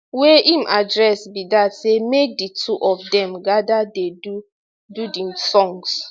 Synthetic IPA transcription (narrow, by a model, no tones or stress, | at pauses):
wɛʔĩmʔadɹɛsbidatsemek̚ditʰuʔɔfdɛ̃mɡadadedu | dudĩmsɔ̃ŋs